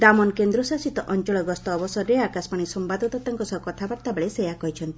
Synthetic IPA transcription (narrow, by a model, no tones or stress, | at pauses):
d̪amɔnkend̪ɾɔsasit̪ɔʔɔnt͡ʃɔɭɔɡɔst̪ɔːbɔsɔɾːeakasmaɽ̃isɔmpad̪ɔt̪ɔt̪aŋkɔsɔkɔt̪ʰabaɾt̪abeɭesejakɔɦit͡ʃʰɔnt̪i